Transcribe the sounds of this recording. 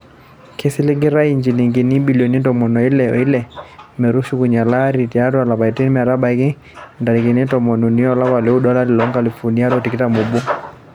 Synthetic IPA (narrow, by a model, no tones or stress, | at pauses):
kʰɛsiliɡiɾaiɲd͡ʒiliŋɡinibiliɔnidɔmɔnɔilɛɔ̰ilɛmɛɾuʃukuɲalaɾitiaɾualabaitɛnimɛaɾaɓaiki | ndalikinɛtɔmɔnɔniɔlaβalɛuɗɔlaɾilɔŋɡalifuniaɾɔtikitamuɓu